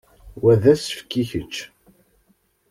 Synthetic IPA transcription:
wæðæsə̥fkːiçət͡ʃː

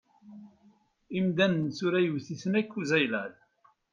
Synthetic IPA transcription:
imd̪ænənsʊɾæjəvθiθənækːuzæjlæð

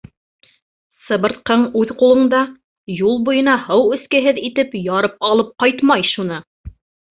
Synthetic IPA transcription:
sɤ̆βɤ̆ɾt̪̚qɤɴʉðqulˠɤ̆ɴd̪ɑ | julˠbujɤ̆nɑhɤwɵ̆skɘɦɘðit̪ɘpjɑɾɤp̚ɑlˠɤp̚qɑjt̪mɑjʃunɤ

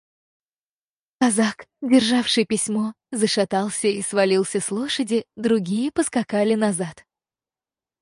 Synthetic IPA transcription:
kɐzakdʲɪrʐafʂɨjpʲɪsʲmo | zəʂat̪ɑlˠsʲəisvɐlʲilˠsʲəslˠoʂədʲɪd̪ɾʊɡʲijəpəskakalʲɪnɐzat̪

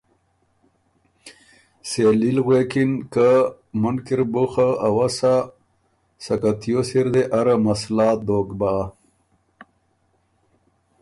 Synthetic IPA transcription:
selilɣwekinkə | munkiɾbuxaawasa | sɐkat̪ʰjosiɾd̪eʔaɾamaslaːt̪̚d̪oːkba

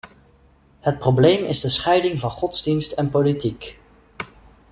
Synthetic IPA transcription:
ɦət̚prowblejmɪzdəsχɛjdɪŋvɑnχɔtzdinstɛnpolitik

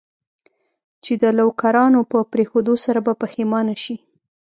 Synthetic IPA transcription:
t͡ʃed̪əlawkaɾɑnopəpɾexod̪osaɾabapəxemɑnaʃi

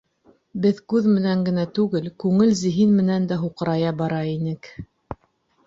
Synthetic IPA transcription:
bɘðkʉðmɘ̆næŋɡɘ̆næt̪ʉɡɘlkʉŋɘlzɘ̆ɦinmɘ̆nænd̪æɦuqɤ̆ɾɑjɑbɑɾɑinɘk

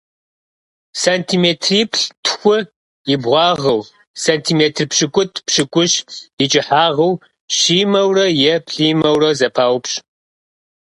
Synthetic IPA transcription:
saːntʰiːmeːtʰriːpʰɬtʰxʷʊ | jɪbʁʷɑːʁɐw | santʰiːmeːtʰrpɕɨkʷʼʊtʰpɕɨkʷʼʊɕɪt͡ʃʼɪħaːʁɐw | ɕiːmɐwrɐjɛpɬiːmɐwrɐzɐpʰaːwpɕʼ

